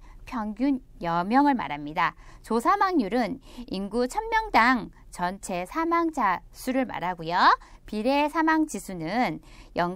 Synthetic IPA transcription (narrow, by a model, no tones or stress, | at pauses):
pʰjʌŋɡjun | jʌmjʌŋɯɭma̰ɾamɲidat͡ɕosʰamaŋɲuɾɯninɡut͡ɕʰʌnmjʌŋdaŋ | t͡ɕʌnt͡ɕʰe̞sʰamaŋd͡ʑʰasʰuɾɯɭma̰ɾaɡujʌpiɾe̞sʰamaŋd͡ʑisʰunɯn | jʌŋ